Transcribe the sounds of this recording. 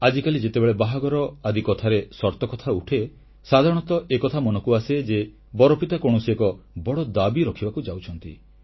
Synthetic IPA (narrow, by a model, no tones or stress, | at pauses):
ad͡ʒikalid͡ʒet̪ebeɭebaɦaɡɔɾɔad̪ikɔt̪ʰaɾesɔɾt̪ɔkɔt̪ʰauʈʰe | sad̪ʱaɾɔɽ̃ɔt̪ɔʔekɔt̪ʰamɔnɔkuased͡ʒe | bɔɾɔpit̪akoɽ̃usekɔbɔɽɔd̪abiɾɔkʰibakud͡ʒawt͡ʃʰɔnt̪ḭ